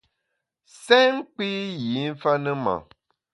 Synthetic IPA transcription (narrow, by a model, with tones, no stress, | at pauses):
sɛ˦ŋ̩˦k͡pi˦ji˨˦n̩˦fa˦nɨ˦ma̰˨